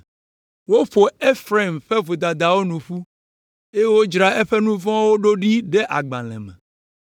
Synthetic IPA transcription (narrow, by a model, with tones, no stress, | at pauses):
wo˦ɸo˨e˦fɾe˨mɸe˦vo˨d̪a˨d̪a˨wo˦nũ˨ɸu˦ | e˦jwo˦d͡ʒɾa˦e˦ɸe˦nũ˦vɔ̃˦wo˦ɖo˦ɖi˦ɖe˦ʔa˨ɡ͡bã̰˨lɛ̰̃˨mɛ̰̃˨